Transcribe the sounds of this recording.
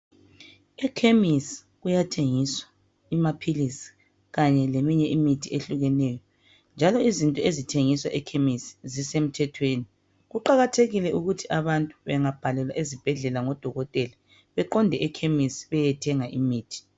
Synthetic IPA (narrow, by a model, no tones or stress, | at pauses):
ɛkʰemisi̥ | ɣujatʰeŋiswa | imapʰilisi̥ | ɣaɲɛlemiɲɛʔimitʰieɬuɣɛnɛjɔ | nd͡ʒʱalɔizintʼɔezitʰeŋiswaʔɛkʰemisi̥zisem̩tʰɛtʰweːni | ɣuǃaɣatʰeɣilɛʔuɣutʰiʔaβantʼuβɛŋab̥ʱalɛlwaʔezib̥ʱɛɮɛlaŋɔd̥ʱɔɣɔtʼɛla | βɛǃɔndʱɛʔɛkʰemisi̥βɛjɛtʰɛŋaʔimiːtʰi̥